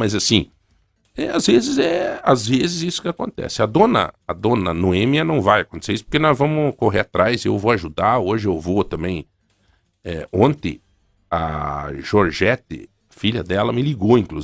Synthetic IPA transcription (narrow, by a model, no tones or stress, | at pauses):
mɐzasĩ | ɛazvezɪzɛazvezɪzisʊ̥kɪakõ̰nt̪ɛ̰sɪɐd̪õnɐ̰ːd̪õnɐnoẽmiɐnɐ̃w̃vajakõnt̪eseɾisʊ̥po̥ɾkenɔzvɐ̃mʊkoɦeat̪ɾajzewvoaʒud̪aɾoʒɪewvot̪ɐ̃mbẽj̃ | ɛõnt̪ẽ | ɐ̰ʒoɾʒɛt̪ɪ̰ | fiʎɐd̪ɛlɐmɪliɡoĩŋklu